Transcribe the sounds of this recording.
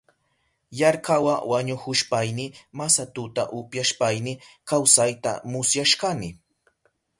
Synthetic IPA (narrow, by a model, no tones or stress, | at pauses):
jaɾkawawaɲʊhʊʃpajnɪmasat̪ʊt̪aʔʊpjaʃpajnɪkawsajt̪a̰mʊsjaʃkanɪ